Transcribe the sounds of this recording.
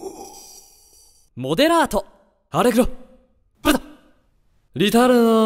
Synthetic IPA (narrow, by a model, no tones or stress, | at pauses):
mod̪eɾaːt̪ʰo | aɾekɯɾo | pɯɾt̪a | ɾʲit̪aɾɯ